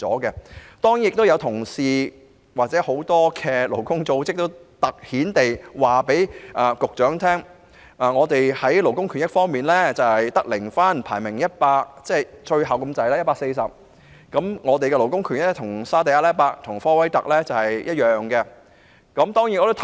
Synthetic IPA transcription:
t͡sɔ̰ː˨˥kɛ˧t̪ɔː˥ŋjjɪ˨k̚t̪o˥wjɐ˨˧wt̪ʰʊ˨˩ŋsiː˨ | waː˨t͡sɛː˨˥ho˨˥wt̪ɔː˥kʰɛ˧lo˨˩wkʊ˥ŋt͡so˧wt͡sɪ˥k̚t̪o˥wt̪ɐ˨k̚hiː˨˥nt̪e˨jwaː˨˩pe˨˥jʔɐː˨kʊ˨k̚t͡ʃœː˨˥ŋt̪ʰɛː˥ŋ | ʔaː˨˩ŋɔː˨˧t̪e˨jhɐ˨˥jlo˨˩wkʊ˥ŋkʰy˨˩njɐ˥k̚fɔː˥ŋmiː˨nlɛː˥t͡sɐ˨whɐ˨jt̪ɐ˥k̚lɪ˨˩ŋfaː˥npʰaː˨˩jmɪ˨˩ŋjɐ˥t̚paː˧k̚t͡sɛː˥jt͡sʰɵ˧ɥɦɐ˨wkɐ˧mt͡sɐ˨˥jlaː˥jɐ˥tpaː˧k̚se˧jsɐ˨p̚ | kɐ˨˧˥mŋɔː˨˧t̪e˨jkɛː˧lo˨˩wkʊ˥ŋkʰy˨˩njt̪ʰʊ˨˩ŋsaː˥t̪ɐ˨jɐ˥lɛː˥paː˧k̚t̪ʰʊ˨˩ŋfɔː˥wɐ˥jt̪ɐ˨k̚lɛː˥t͡sɐ˨˩whɐ˨jjɐ˥t̚jœː˨ŋkɛ˧ | kɐ˨˥mt̪ɔː˥ŋjt̚ːt̪o˥

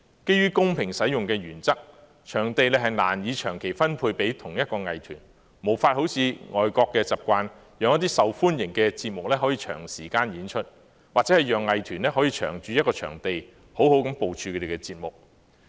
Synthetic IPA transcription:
ke˥jɥyː˥kʊ˥ŋpʰɪ˨˩ŋsɐ˨˥jʊ˨ŋkɛː˧jyː˨˩nt͡sɐ˥k̚ | t͡ʃʰœː˨˩ŋt̪e˨jlɛ˧ɦɐ˨jna̰ː˨˩njiː˨˧t͡ʃʰœː˨˩ŋkʰe˨˩jfɐ˥npʰuː˧jpe˨˥jt̪ʰʊ˨˩ŋjɐ˥t̚kɔː˧ŋɐ˨jt̪ʰyː˨˩n | mo˨˩wfaː˧t̚ho˨˥wt͡sʰiː˨˧ŋɔː˨jkɔː˧kːɛː˧t͡sɐ˨˩p̚kʷaː˧n | jœː˨ŋjɐ˥t̪̬iː˥sɐ˨wfuː˥njɪ˨˩ŋkɛ˧t͡siː˧t̚mʊ˨k̚lɛː˥ɦɔː˨˥jiː˧t͡ʃʰœ̰ː˨˩ŋsiː˨˩kaː˧njiː˨˥nt͡ʃʰɵ˥t̚ | waː˨k̚t͡sɛː˨˥hɐ˨jœː˨ŋːɐ˨jt̪ʰyː˨˩nlɛː˥ɦɔ˨˥jiː˧t͡ʃʰœ̰ː˨˩ŋt͡ʃyː˧jɐ˥kɔː˧t͡ʃʰœ̰ː˨˩ŋt̪e˨j | ho˨˥who˨˥wkɐ˨˥mpo˨wt͡ʃʰyː˧kʰɵ˧t̪e˨˩kɛː˧t͡siː˧t̚mʊ˨k̚

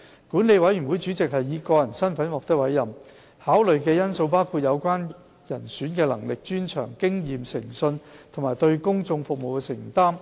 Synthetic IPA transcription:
kuː˨˥nle˨˧jwɐ˨˥jɥy˨˩wu˨˥jt͡ʃyː˨˥t͡sɪ˨k̚hɐ˨jːiː˨˧kɔː˧jɐ˨˩nsɐ˥nfɐ˨˥nwɔː˨k̚t̪ɪ˥k̚wɐ˨˥jɐ˨˩m | haː˨˥wlɵ˨ɥkɛː˧jɐ˥nso˧wpaː˥wkʰuː˨˧t̚jɐ˨˧wkʷaː˥n | jɐ˨˩nsyː˨˥nkɛː˧lɐ̰˨˩ŋlɪ˨k̚t͡ʃyː˥nt͡ʃʰœ̰ː˨˩ŋkɪ˥ŋjiː˨msɪ̰˨˩ŋsɵ˧nt̪ʰʊ˨˩maː˨˩jt̪ɵ˧ɥkʊ˥ŋt͡sʊ˧ŋfʊ˨k̚mo˨˩wkɛ˧sɪ˨˩ŋt̪aː˥m

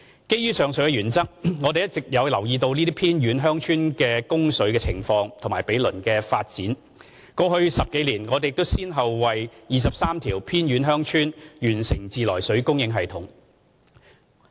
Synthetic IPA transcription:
ke˥jɥyː˥sœː˨ŋsɵ˨˥ɥkɛ˧ɥyː˨˩nt͡sɐ˥k̚ŋɔ˨˧t̪e˨jɐ˥t̚t͡sɪ˨k̚jɐ˨˧wlɐ˨˩wjiː˧t̪̬o˧wniː˥t̪iː˥pʰiː˥nɥyː˨˥nɦœː˥ŋt͡ʃʰyː˥nkɛː˧kʊ˥ŋsɵ˨˥ɥkɛː˧t͡sʰɪ̰˨˩ŋfɔː˧ŋt̪ʰmaː˨˩jpe˨˥jlɵ˨˩nkɛː˧faː˧t̚t͡siː˨˥n | kɔː˧hɵ˧ɥsɐ˨p̚ke˨˥jliː˨˩nŋɔː˨˧te˨jɪ˧kt̪o˥wsiː˥nɦɐ˨wwɐ˨jjiː˨˩sɐ˨p̚saː˥mt̪ʰiː˨˩wpʰiː˥nɥyː˨˧nɦœː˥ŋt͡ʃʰyː˥njyː˨˩nsɪ˨˩ŋt͡siː˨lɔː˨˩jsɵ˨˥ɥkʊ˥ŋjɪ˨˧˥ŋɦɐ˨jt̪ʰʊ˨˥ŋ

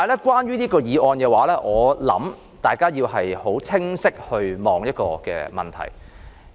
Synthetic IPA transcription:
taː˨jlɛː˥kʷwaː˥njyː˥niː˥kɔː˧jiː˨˧ʔɔː˧nkɛː˧waː˨˥lɛː˥ʔɔː˨˧lɐ̰˨˥m | t̪aː˨˩jkaː˥jiː˧wɦɐ˨jho˨˥wt͡sʰɪ˥ŋsɪ˥k̚hɵ˧ɥmɔː˨˩ŋjɐ˥t̚kɔ̰ː˧kɛ̰ː˧mɐ̰˨˩nt̪ʰɐ̰˨˩j

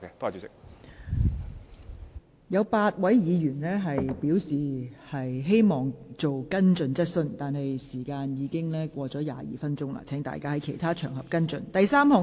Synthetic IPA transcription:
kɛ˧t̪oː˥a˨˩t͡sy˨˧˥sɪ˨k̚ | jɐ˨˧wpaː˧t̚wɐ˨˥jjiː˨˧jyː˨˩nlɛː˥ɦɐ˨jpiː˨˥wsiː˨˩hɐ˨jɦe˥jmɔː˨˩ŋt͡so˨wkɐ˥nt͡ʃɵ˨˧nt͡sɐ˥t̚sɵ˧nt̪aː˨nɦɐ˨jsiː˨˩kaː˧njiː˨˧kɪ˥ŋlɛː˥kʷɔː˧t͡sɔː˨˥ja̰ː˨jḭː˨fɐ˥nt͡ʃʊ˥ŋla̰˧˥t͡sʰɛː˨˥ŋt̪a̰ː˨jkaː˥hɐ˨˥jkʰe˨˩jt̪ʰaː˥t͡ʃʰœ̰ː˨˩ŋɦɐ˨p̚kɐ˥nt͡sɵ˧nt̪ɐ˨jsaː˥mhɔː˨˩

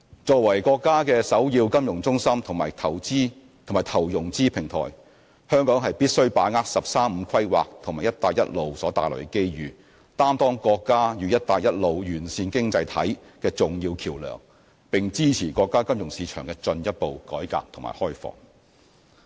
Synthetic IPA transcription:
t͡sɔː˧wɐ˨˩jkɔː˧kːaː˥kɛː˧sɐ˨˥wjiː˧wkɐ˥mjʊ˨˩ŋt͡sʊ˥ŋsɐ˥mt̪ʰʊ˨˩maː˨˩jt̪ʰɐ˨˩wt͡siː˥ | t̪ʰo˨˩ŋmaː˨˩t̪ʰɐ˨˩wjʊ˨˩ŋt͡siː˥pʰɪ˨˩ŋt̪ʰɔ̰ː˨˩j | hœː˥ŋkɔː˨˥ŋɦɐ˨jpiː˥t̚sɵ˥ɥpaː˨˥ŋaː˧˥k̚sɐ˨p̚saː˥m̩˨˧kʰɐ˥jwa̰ː˨k̚t̪ʰŋmaː˨˩jɐ˥t̚t̪aː˨jɐ̰˥t̚lo˨wsɔː˨˥t̪aː˨jlɔ̰˨˩kɛ˥ke˥jjyː˨˧ | t̪aː˥mt̪ɔː˥ŋkɔː˧kːaː˥jyː˨˧jɐ˥t̚t̪aː˨jɐ˥t̚lo˨wjyː˨˩nsiː˧nkɪ˥ŋt͡sɐ˧jt̪ʰɐ̰˨˥jkɛː˧t͡sʊ˨ŋjiː˧wkʰiː˨˩wlœ̰ː˨˩ŋ | pɪ˨ŋt͡siː˥t͡sʰiː˨˩kɔː˧kːaː˥kɐ˥mjʊ˨˩ŋsiː˨˧˥t͡ʃʰœ̰ː˨˩ŋkɛː˧t͡sɵ˧njɐ˥t̚po˨wkɔː˨˥jka̰ː˧p̚t̪ʰʊ˨˩ma̰ː˨˩hɔː˥jfɔ̰ː˨˩ŋ

